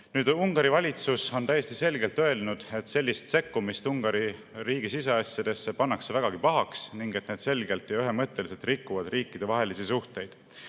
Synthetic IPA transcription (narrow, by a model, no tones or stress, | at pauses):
nyːd̪uŋɡ̥ɑɾivɑlʲit̪suso̞nt̪æjːe̞st̪ise̞lɡe̞lt̪ˑø̞elnud̪̥e̞t̪se̞lʲːist̪se̞kːumist̪uŋɡ̥ɑɾi | riːɡ̥isis̬e̞ɑsʲjɑd̪̥e̞sːepɑnːɑksevæɡ̥ɑɡ̥ipɑɦɑksniŋɡ̥et̪ːneːd̪̥se̞lɡe̞lt̪ːˑjɑyɦe̞mɤt̪ːe̞lise̞lt̪rikːuvɑd̪̥riːkːid̥̪e̞vɑɦe̞lisisuht̪e̞jd̪̥